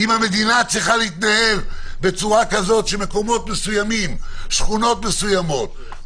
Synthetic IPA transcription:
imhame̞d̪inat͡sʁiχaleit̪nahelbe̞t͡suʁakazo̞tʃeme̞ko̞mo̞t̪me̞sujamimʃχuno̞t̪mesujamo̞t̚

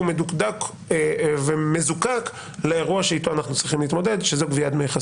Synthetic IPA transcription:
umedukd̪ak | veme̞zukak | leeʁuaʃeit̪oanaχnut͡sʁiχimliːt̪mo̞d̪e̞dʃezokviad̪mejuχa

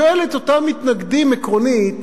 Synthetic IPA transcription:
oelet̪o̞tamit̪naɡd̪imekʁo̞nit̪

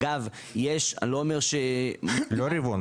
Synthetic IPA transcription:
av | jeʃa̰loːme̞ʁʃeloɾivon

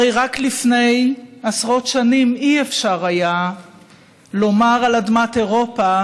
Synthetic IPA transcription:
aejʁaklifne̞jasʁo̞tʃanimiefʃaʁaja | lo̞maʁalad̪mateʁo̞pa

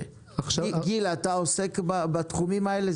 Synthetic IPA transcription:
ɡilat̪ao̞se̞kbabat̪χumimaele

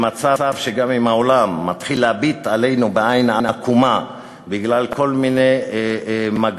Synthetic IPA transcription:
mat͡saavʃeɡamimao̞lamːat̪χilːeabit̪ale̞jnubeajnanakuma | biɡlalkʰo̞lmine̞j | maɡ

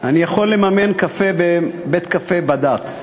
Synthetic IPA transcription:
ʔanijaχo̞lːe̞mamenkafebebet̪kafebad̪at

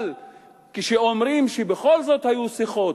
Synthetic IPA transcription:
l | kiʃeomɾimʃebeχo̞lzo̞t̪hajusiχo̞

